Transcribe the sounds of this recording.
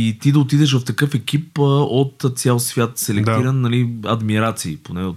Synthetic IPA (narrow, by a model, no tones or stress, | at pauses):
it̪id̪ɐot̪̬id̪ɛʃvɐft̪ɐkɤfɛk̟ipəot̪t̪sʲalˠsvʲjat̪sɛlɛk̚d̪t̪iɾənːɐliɐd̪miɾat̪siːponɛo